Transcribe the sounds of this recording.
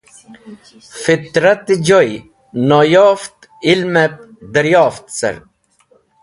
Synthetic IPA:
fit̪ɾɐt̪d͡ʑoj | noːjoːft̪ | ilmep̚d̪ɐɾjaːft̪sɐ̰ɾ

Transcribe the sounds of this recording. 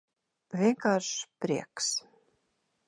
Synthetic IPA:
vʲiŋkaɾʂpɾʲiɛks

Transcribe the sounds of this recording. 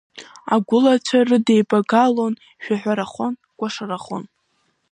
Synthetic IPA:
aɡʷʊlat͡ʃʷʰarɨdejbʼaɡalon | ʃᶣaħʷᶣaɾaχʷon | kʷʼaʂaraχo̰n

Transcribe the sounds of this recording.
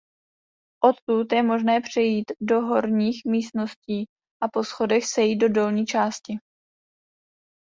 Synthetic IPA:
ʔo̞t̪ːut̪jɛmo̞ʒnɛːpr̝̥ɛjiːt̪do̞ɦo̞ɾɲiːxmiːst̪no̞sciː | ʔapo̞sxo̞dɛxsɛjiːt̪̚do̞do̞lɲiːt͡ʃaːscɪ

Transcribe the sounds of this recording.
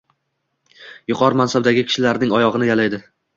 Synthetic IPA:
jʊqʰɒɾmansab̚d̪aɡʲɪkʲʰɪ̥ʃɪlaɾnɪŋɒjɒʁɨnɪjalajd̪ɪ

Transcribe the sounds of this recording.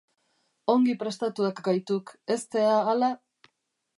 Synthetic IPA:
o̞ŋɡipɾe̞st̪at̪uakɡajt̪uke̞st̪e̞aːla

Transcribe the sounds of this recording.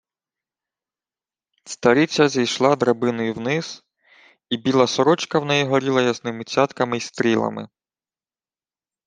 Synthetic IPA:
st̪ɐɾʲit͡sʲɐzʲijʃlˠɑd̪ɾɐbɪnɔjuwnɪz̥ | ibʲilˠɐsɔɾɔt͡ʃkɐwnɛjiɦɔɾʲilˠɐjɐznɪmɪt͡sʲɑt̪kɐmɪist̪ɾʲilˠɐ̰mɪ̰

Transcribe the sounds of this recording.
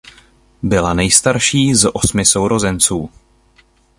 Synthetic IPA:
bɪlanɛjst̪aɾʃiːzʔo̞smɪso̞wɾo̞zɛnt͡suː

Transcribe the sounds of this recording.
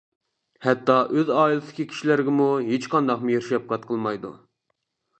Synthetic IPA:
hɛt̪ːɑʔøzɑːilˠɨ̥ɪkʲikʲʰi̥ʃilæɾɡʲɪmuɦet͡ʃqɑnd̪ɑqmujeɾʃɛp̚qʰɑt̪̚qʰəlˠmɑjd̪ṵ

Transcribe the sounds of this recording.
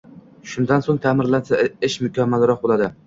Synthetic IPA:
ʃʊnd̪ansoŋt̪ʰaːmɪɾlansaɪʃmʊkʲʰamːalɾɒq̚bolˠad̪ɪ

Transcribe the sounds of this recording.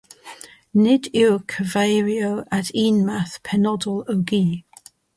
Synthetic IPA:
nɪdɪkʰəvejɹiowʔatʰiːnmaθpʰɛnɔdəloɡiː

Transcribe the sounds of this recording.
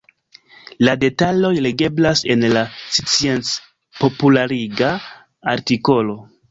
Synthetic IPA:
lade̞talo̞jle̞ɡe̞blase̞nlasit͡sie̞nt͡s | po̞pulaɾiɡaː | ɾtiko̞lo̞

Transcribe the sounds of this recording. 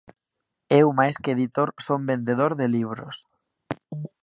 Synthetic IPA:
ewmajskeeðit̪oɾsombend̪eð̞oɾðeliβ̞ɾo̰s

